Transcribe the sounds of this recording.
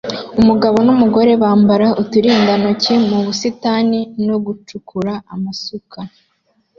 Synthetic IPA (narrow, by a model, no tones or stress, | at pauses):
umuɡaβo̞numuɡo̞ɾe̞βaːmbaɾaʔutuɾiːndanocimuβusitaːninoɡut͡ʃukʰuɾaamasukʰa